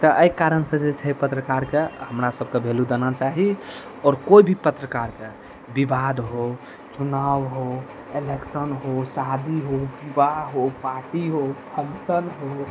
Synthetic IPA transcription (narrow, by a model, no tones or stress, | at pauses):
t̪ɔʔəjkaɾənsə̃d͡ʒet͡ʃʰəjpət̪ɾəkaɾkehəmɾasəb̚kebʱelud̪ənat͡ʃaɦi | ɔːɾkoibʱipət̪ɾəkaɾke | bibad̪ɦo | t͡ʃunawɦo | eleksənɦosad̪iɦobibaɦopaɾʈiɦopʰənsənɦo